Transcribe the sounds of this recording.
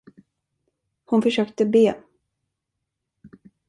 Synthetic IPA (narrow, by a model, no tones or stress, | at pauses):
hʊnfœʂøːkt̪əbeː